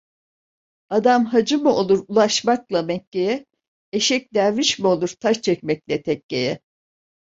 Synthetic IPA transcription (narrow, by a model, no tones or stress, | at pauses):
ad̪amɦad͡ʒɯmɯo̞lˠuɾulˠaʃmaklˠamɛcːejɛ | eʃɛc̚d̪æɾmiʃmio̞lˠuɾt̪ʰaʃt͡ʃʰɛcmɛc̚lʲɛt̪ʰɛcːejɛ